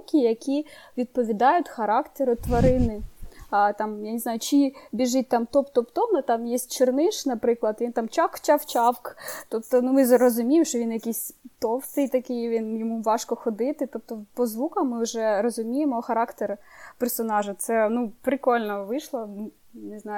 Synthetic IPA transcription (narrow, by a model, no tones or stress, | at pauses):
kʲijɐkʲiʋʲid̪̚pɔʋʲid̪ɑjʊtʲxɐɾɑkt̪eɾʊt̪ʋɐɾɪnɪ | t̪ɑmjanʲɪznɑjʊt͡ʃibʲiʒɪt̚ʲt̪ɑmt̪ɔpt̪ɔpt̪ɔmɪt̪ɑmjɛsʲtʲt͡ʃernɪʃnɐpɾɪklˠɐd̪ʋint̪ɑmt͡ʃɑkt͡ʃɑwt͡ʃɑwkt̪ɔpt̪ɔnumɪzɾɔzʊmʲijemʃt͡ʃɔʋʲinjɐkʲisʲt̪ɔwt̪ɪjt̪ɐkɪjʋʲinjɔmuʋɑʃkɔxɔd̪ɪt̪ɪt̪ɔp̚t̪ɔpɔzʋukɐmmːɪʊʒɛɾɔzʊmʲijemɔxɐɾɑkt̪erpersɔnɑʒʊt̪sɛnupɾɪkɔlʲnɔʋɪʃlˠɐ | nɪznɑjʊ